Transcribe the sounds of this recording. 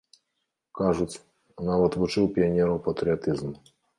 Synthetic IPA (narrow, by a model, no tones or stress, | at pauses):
kaʐut͡sʲ | navɐt̪vut͡ʂɨwpʲianʲɛɾɐwpɐt̪ɾʲɨat̪ɨzm